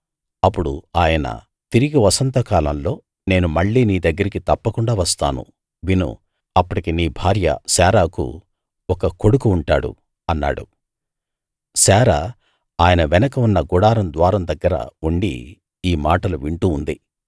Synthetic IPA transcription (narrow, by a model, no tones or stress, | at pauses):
ɐpːuɽṵaːjɐnɐ̰ | t̪iɾiɡiʋɐsɐnt̪ɐkaːlɐmlo̞ː | ne̞ːnumɐɭːiːniːd̪ɐɡːɐɾikit̪ɐpːɐkuɳɖaːʋɐst̪a̰ːnṵ | ʋinṵ | ɐpːɐɽikiniːbʱaːɾjɐ̰sɛːɾaːkṵ | ɔkɐko̞ɽukuːɳʈaːɽṵ | ɐnːa̰ːɽṵ | sɛːɾaː | aːjɐnɐʋɛnɐkɐunːɐɡuɽaːɾɐmd̪ʋaːɾɐmd̪ɐɡːɐɾɐ̰uɳɖḭː | maːʈɐluʋiɳʈuːnd̪i